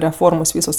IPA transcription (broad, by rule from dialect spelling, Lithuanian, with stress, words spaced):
rʲɛˈfoːrmoːs ˈʋʲiːsoːs